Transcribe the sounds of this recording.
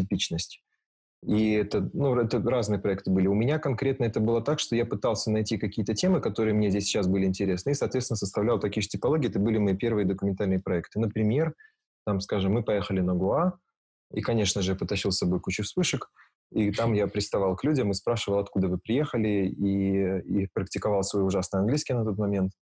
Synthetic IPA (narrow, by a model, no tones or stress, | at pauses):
tʲɪpʲit͡ɕnəsʲtʲ | iɛt̪ənuɛt̪əɾaznɨjəpɾɐɛk̚t̪ɨbɨlʲɪʊmʲɪnʲakɐnkɾʲe̞t̪nəɛt̪əbɨlˠət̪akʂt̪ojapɨt̪alˠsʲənɐjtʲikɐkʲijət̪ətʲe̞mɨkɐt̪o̞ɾɨjəmnʲezʲdʲesʲt͡ɕːas̬bɨlʲɪɪnʲtʲɪɾʲe̞snəisɐt̪vʲesʲɪnəsəst̪ɐvlʲalˠt̪ɐkʲijʐtʲɪpɐlˠo̞ɡʲɪjɛt̪əbɨlʲɪmɐipʲe̞rvɨjəd̪əkʊmʲɪnt̪alʲnɨjəpɾɐɛk̚t̪ɨnəpɾʲɪmʲe̞r | t̪amskaʐɨmːɨpɐje̞xəlʲɪnəɡʊa | ikɐnʲe̞ʂnəʐɨjapət̪ɐɕilˠsɐbo̞jkut͡ɕəfspɨʂək | it̪amjapɾʲɪst̪ɐvalˠklʲudʲəmɨspɾaʂɨvəlˠɐt̪kud̪əvɨpɾʲɪje̞xəlʲɪiipɾəktʲɪkɐvalˠsvɐjiʊʐasnɨjəɐnɡlʲiskʲɪjnɐɛt̪ot̪mɐmʲe̞nt̪